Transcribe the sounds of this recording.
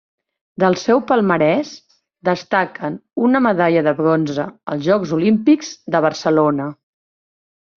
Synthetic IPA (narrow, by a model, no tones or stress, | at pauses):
d̪əlˠsɛwpəlˠməɾɛs | d̪əst̪akʰənunəməðaʎəðəβɾonzəə̰lˠzʒɔkzulimpikz̥d̪əβəɾsəlonə